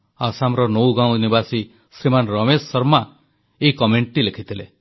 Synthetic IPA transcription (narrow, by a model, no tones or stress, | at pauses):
asamɾɔnowɡãw̃nibasi | sɾimanɾɔmesːɔɾma | eikɔmeɳʈʈilekʰit̪ʰilḛ